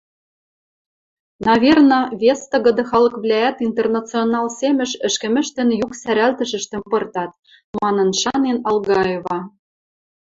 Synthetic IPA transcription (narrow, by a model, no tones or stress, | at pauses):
nɑvʲernɤ̆vʲest̪ɤ̆ɣɤ̆d̪ɤ̆xɑlɤ̆kβlʲææt̪int̪ernɑt͡sionɑlsemɘ̆ʃɘ̆ʃkɘ̆mɘ̆ʃt̪ɘ̆njuksæɾælt̪ə̆ʒɘ̆ʃt̪ɘ̆mpɤ̆rt̪ɑt̪̚ | mɑnɤ̆nʃɑnenɑlˠɣɑevɑ